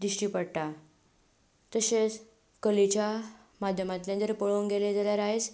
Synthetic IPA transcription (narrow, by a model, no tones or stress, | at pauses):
d̪ɾiʂʈiːpəɽʈa | t̪əɕet͡s | kəlit͡ɕja | mad̪ʱjəmat̪ljand̪əɾpəɭoŋɡeled͡zaljaɾaɦet͡s